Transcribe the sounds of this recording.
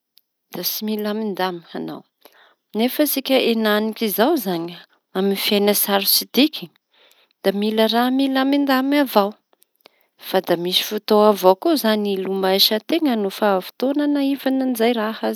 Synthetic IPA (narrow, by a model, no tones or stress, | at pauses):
d̪̥asimilamind̪amiana̰w | nefəsikʲəʔenanikʲizawzaɲ | aminifiajnəsaɾusid̪iki̥ | d̪̥amiləramilamind̪amavaw | fad̪amisi̥fut̪oavowkuzanilumajʃət̪eŋənufafu̥t̪onanaivanənizajɾahaz